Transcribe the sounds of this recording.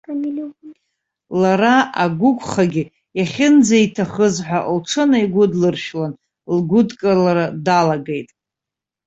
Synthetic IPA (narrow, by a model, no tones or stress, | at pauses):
l | laɾaaɡʷʊkʷʰʼχaɡʲɪ | jaχʲɪnd͡zaitʰaχəzħʷaʔlʈ͡ʂʰɨnaiɡʷʊdlɨrʃᶣlan | lɡʷʊdkʼalaɾadalaɡe̞jtʼ